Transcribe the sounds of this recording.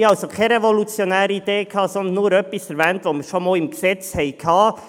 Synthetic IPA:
ɑlsokʰɛɾɛvolut͡sjonæːɾəid̪eːkʰɑːsɔnd̪nːuːɾœpisɛɾʋɛːnt̪ʋoməɾʃomoːlɪmksɛt͡shɛɪkʰɑː

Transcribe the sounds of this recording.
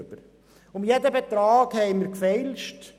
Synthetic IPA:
bəɾ | ʊmjɛdəbet̪ɾɑːɡhɛɪmiɾkfɛlʃt

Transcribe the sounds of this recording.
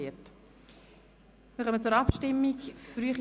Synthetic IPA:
ət | mɪχœmət͡sʊɾɑpʃtɪmːikfryəχ

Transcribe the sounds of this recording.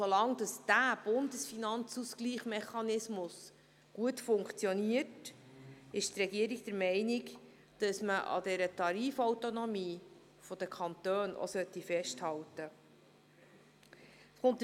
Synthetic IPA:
solɑŋd̥ɑsd̥æb̥ʊndəsfinɑnt͡suskliːχmɛχɑnɪsmʊs | ɡ̥uətfʊŋkt͡sjɔniət | ɪʃtrɛɡiəɾiɡ̚d̥əɾmɛɪnɪk | d̥ɑsməʔɑ̰dɛɾətɑɾiːfɔwtonɔmiː | fɔd̥̪əkʰɑnt̪øːnʔo̰sœt̪ːifɛsthɑwtə | sχʊnt̪

